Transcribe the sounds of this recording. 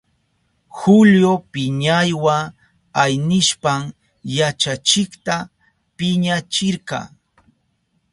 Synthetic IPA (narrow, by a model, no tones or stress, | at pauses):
xʊljopɪɲajwa | ajnɪʃpaŋ | jat͡ʃat͡ʃɪkt̪a | pɪɲat͡ʃɪɾkɑ̰ː